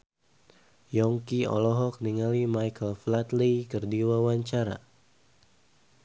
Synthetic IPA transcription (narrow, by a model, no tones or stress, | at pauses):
jɔŋkiɔ̰lɔɦɔk̚niŋalimajkəlflat̪likərdiwawaɲt͡ʃaɾa̰